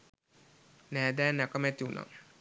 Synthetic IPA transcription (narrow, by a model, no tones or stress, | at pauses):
næːd̪æːnːɛkəmæt̪iuna̰ŋ